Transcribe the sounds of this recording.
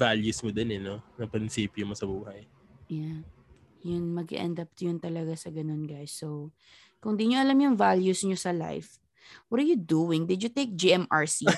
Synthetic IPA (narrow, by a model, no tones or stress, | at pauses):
valjusmod̪ɛnɛnonɐpɐnsiːpjʊmosɐbuːhɐj | ja | jʊnmɐɡɪ̰ʔɛ̰nd̪ɐp̚t̪jʊnt̪ɐlɐɡasɐɡɐno̞nɡajsːow | kʊŋd̪iːɲoʔɐlamjʊŋvaljusɲosɐla̰jf | wɔt̪ɐɹjud̪uːwɪŋd̪ɪd̪jʊt̪ejk̚d͡ʒiʔɛmʔaɹsi